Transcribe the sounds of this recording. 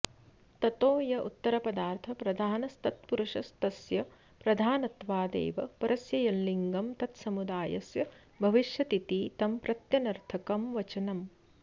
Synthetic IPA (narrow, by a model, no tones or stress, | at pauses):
t̪ɐt̪oːjɐʔṵt̪ːɐɾɐpɐd̪aːɾt̪ʰɐpɾɐd̪ʱaːnɐst̪ɐt̪puɾuʂɐst̪ɐsjɐ | pɾɐd̪ʱaːnɐt̪ʋaːd̪ḛːʋɐpɐɾɐsjɐjɐlliŋɡɐmt̪ɐt̪sɐmud̪aːjɐ̰sjɐ | bʱɐʋiʃjɐt̪it̪iːt̪ɐmpɾɐt̪jɐnɐɾt̪ʰɐkɐmʋɐt͡ʃɐnɐm